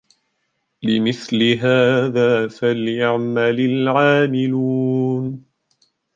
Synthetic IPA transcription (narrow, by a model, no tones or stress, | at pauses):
lɪmɪθlɪɦaːðaːfaljaʕmalɪlʕaːmɪluːn